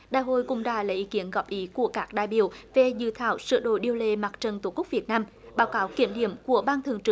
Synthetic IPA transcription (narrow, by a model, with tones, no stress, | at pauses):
ɗaː˧˨jɦo̰˧˨jkʊ̰˧˨ŋ͡mɗa̰ː˧˩laː˨˩ʔi˨˦ki˨˦ənɣɔ˨˩p̚ʔi˨˦ku˧˩əkaː˦˥k̚ɗa̰ː˧˨jɓḭ˧˨əwve˨˩zɨ̰˧˨t̪ʰa̰ː˧˨˩wsɨ̰˧˨ɗo̰˧˨jɗi˧əwle˧˩maː˨˩t̚t͡ɕə˨˩nt̪o˨˧˩kʊ˦˥k͡p̚vi˨˩ət̚naː˧m | ɓaː˨˦wkaː˨˦wki˧˩əmɗḭ˧˨əmku˧˩əɓaː˧nt̪ʰɨ̰˨əŋt͡ɕɨ˨˧˩